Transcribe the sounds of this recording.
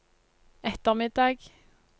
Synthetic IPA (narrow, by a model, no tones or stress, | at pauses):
ɛt̪əʁmɪd̪ɑːɡ